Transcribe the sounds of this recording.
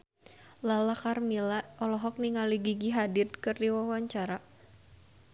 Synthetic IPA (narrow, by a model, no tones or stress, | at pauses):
lalakarmilaɔlɔɦɔk̚niŋaliɡiɡiɦadɪrkɨrdiwawaɲt͡ʃaɾa